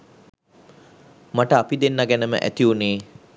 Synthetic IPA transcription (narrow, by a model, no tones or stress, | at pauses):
maʈəapid̪enːaɡænəmə̰ʔæ̰t̪iuneː